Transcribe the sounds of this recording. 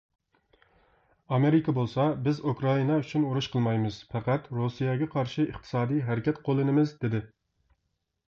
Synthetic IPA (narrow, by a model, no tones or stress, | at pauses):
ɑmeɾɪkʰʲɑbolˠsɑbɪzukɾɑinɑyt͡ʃʰynuɾuʃqʰəlˠmɑjmɨz̥fæqæt̪ɾusijɛɡʲɛqʰɑɾʃɪəχt̪ʰɨ̥sɑːd̪ijɦæɾɪkʲʰɛt̪qʰolˠɨnɪmɪzd̪ɪd̪ɪ